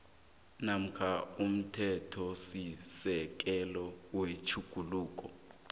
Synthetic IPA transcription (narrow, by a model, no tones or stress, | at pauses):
nam̩kʰaum̩tʰɛtʰɔsisɛk̬ʼɛlɔwet͡ʃʰuɡ̥ʱuluːk̬ʼɔ